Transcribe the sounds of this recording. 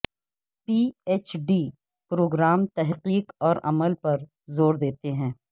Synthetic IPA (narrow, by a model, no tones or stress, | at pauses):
piːeːt͡ʃɖiː | pɾoːɡɾaːmt̪ɛɦqiːqɔːɾʔɐ̰məlpɐɾ | zoːɾd̪eːt̪eɦɛ̃ː